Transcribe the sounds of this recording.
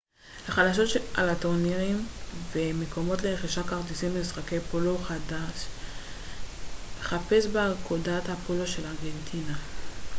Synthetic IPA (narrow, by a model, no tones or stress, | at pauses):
haχalaʃ̬o̞ta̰latoʁniʁimvemeko̞mo̞tleeχiʃakaʁtisimbiisχake̞jpoloχadaʃ | eχape̞sbekʰodathapoloʃe̞laʁɡe̞ntʰina